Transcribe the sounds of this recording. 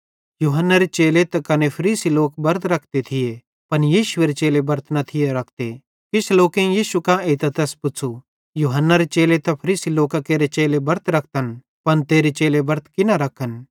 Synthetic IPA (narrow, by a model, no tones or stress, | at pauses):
juːɦənːaɾet͡ʃeːlet̪ɐkɐnepʰɐɾiːsiloːkbɐɾt̪ɾɐkʰt̪et̪ʰɪje | pɐnjiːʃʊeɾet͡ʃeːlebɐɾt̪nɐt̪ʰɪjeɾɐkʰt̪e | kɪt͡ʃʰloːkẽjiːʃukãeːt̪ɐt̪ɐspʊt͡sʰu | juːɦənːaɾet͡ʃeːlet̪ɐpʰɐɾiːsiloːkakeːɾet͡ʃeːlebɐɾt̪ɾɐk̚ʰt̪ən | pɐnt̪eːɾet͡ʃeːlebɐɾt̪̚kɪnaɾɐkʰən